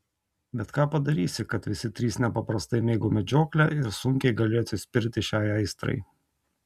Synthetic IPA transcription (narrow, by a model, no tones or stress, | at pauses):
bʲɛt̪kɑːpɐd̪ɐɾʲiːsʲɪkɐt̪ʋʲɪsʲɪt̪ʲɾʲiːsnʲɛpɐpɾɐst̪ɐɪmʲeːɡoːmʲɛd͡ʒʲoːklʲɛɪɾsʊŋʲkʲɛɪɡɐlʲeːt̪ʲɪsʲpʲɪɾʲt̪ʲɪʃʲæːɪɐɪst̪ɾɐ̰ɪ